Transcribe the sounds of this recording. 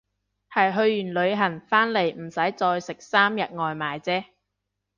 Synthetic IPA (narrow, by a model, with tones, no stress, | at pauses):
hɐ˨jɦɵ˧ɥːyː˨˩nlɵ˨˧ɥɦɐ˨˩nfaː˥nle˨˩jm̩˨˩sɐ˨˥jt͡sɔː˧jsɪ˨k̚saː˥mjɐ˨t̚ŋɔː˨˧jmaː˨jt͡sɛː˥